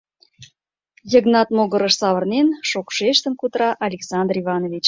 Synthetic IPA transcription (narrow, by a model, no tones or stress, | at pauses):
jə̆ɣnɑt̪moɣə̆ɾəʃsɑβərnenʃokʃeʃt̪ə̆nkut̪ɾɑʔɑlʲeksɑnd̪rivɑnovʲit͡ɕ